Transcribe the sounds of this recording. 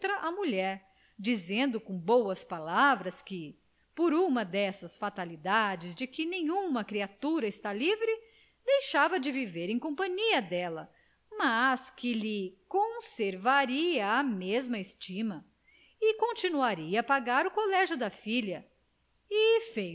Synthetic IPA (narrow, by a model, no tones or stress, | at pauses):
t̪ɾɐʔɐmuʎɛɾ | d͡ʒizẽnd̪ʊkõbowɐspalavɾɐskɪ | poɾũmɐd̪ɛsɐsfat̪alid̪ad͡ʒɪzd͡ʒɪkɪnẽj̃ũmɐkɾiat̪uɾɐɪst̪alivɾɪ | d̪ejʃavɐd͡ʒɪviveɾẽj̃kõpɐ̃ɲiɐd̪ɛlɐ | maskɪlɪkõseɾvaɾiɐːmezmɐɪst͡ʃĩmɐ | ɪkõnt͡ʃinuaɾiɐːpaɡaɾʊkolɛʒjʊd̪ɐfiʎɐ | ɪfej